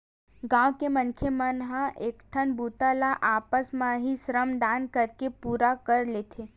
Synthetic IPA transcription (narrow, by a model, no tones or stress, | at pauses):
ɡãwkemənkʰjemənɦãʔekʈʰənbut̪alaʔaːpəsmãɦisɾəmd̪ankəɾkepuːɾakəɾlet̪ʰe